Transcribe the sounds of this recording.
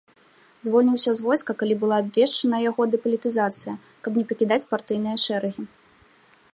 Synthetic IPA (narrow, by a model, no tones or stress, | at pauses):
zvɔlʲnʲiwsʲɐzvɔjskɐkalʲibɨlˠaːbʲvʲɛʂt͡ʂɐnɐjaɣɔd̪ɨpɐlʲit̪ɨzat̪sɨjɐ | kɐbnʲɛpɐkʲid̪at͡sʲpart̪ɨjn̪ɨjɐʂɛɾɐɣʲi